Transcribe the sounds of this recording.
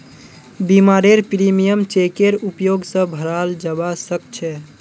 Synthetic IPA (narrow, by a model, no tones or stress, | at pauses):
bimaɾeɾpɾimijəmt͡ʃekeɾupjoɡsə̃bʱəɾald͡ʒəbasək̚t͡ʃʰɛ